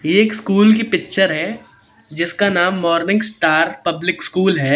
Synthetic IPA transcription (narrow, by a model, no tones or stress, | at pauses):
jeeːkskuːlk̬ipɪk̚ʃəɾɦɛː | d͡ʒɪskanaːmːɔːɾnɪ̃ŋɡsʈaːɾpɐblɪkskuːlɦɛː